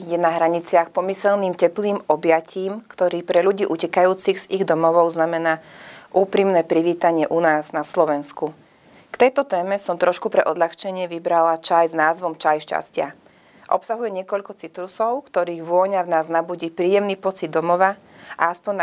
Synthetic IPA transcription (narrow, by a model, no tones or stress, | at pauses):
jɛnaɦɾaɲit͡sɪaxpɔmisɛlniːmcɛpliːmɔbjacʰiːmkt̪ɔɾiːpɾɛʎuɟiːʔucɛkajuːt͡siɣz̥iɣd̪ɔmɔʋɔʊznamɛnaːʔuːpɾimnɛːpɾiʋiːt̪aɲɪɛʔunaːznaslɔʋɛnsku | kt̪ɛjt̪ɔt̪ɛːmɛsɔmt̪ɾɔʃkupɾɛʔɔd̪lʎaxt͡ʃɛɲɪɛʋibɾalat͡ʃajznaːzʋɔmt͡ʃajʃca̰scɪa̰ | ʔɔ̰psaɦujɛɲɪɛkɔʎkɔt͡sit̪ɾusɔʊkt̪ɔɾiːɣʋʊɔɲavnaːznabuɟiːpɾiːjɛmniːpɔt͡sid̪ːɔmɔʋa | ʔa̰aspɔɲ